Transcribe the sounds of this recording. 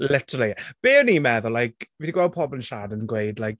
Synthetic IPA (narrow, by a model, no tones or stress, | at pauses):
lɪtʰə̥əlˠiɛb̥eːənimɛðʊlajkviːdiɡwɛlˠd̚pʰɔbənʃaːdənɡwejdlajk̚